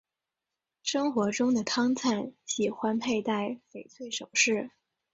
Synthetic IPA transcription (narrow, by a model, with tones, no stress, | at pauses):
ʂɤ˥ŋxwɔ˧˥ʈ͡ʂʊ˥ŋd̪ə˨t̪ʰɑ˥ŋt͡sʰa˥˩nɕi˨˩xwa˥npʰe˥˧ɪt̪a˥˩ɪfe˨˩ɪt͡sʰwe˥˩ɪʂo˨˩ʊʂɻ̩˥˩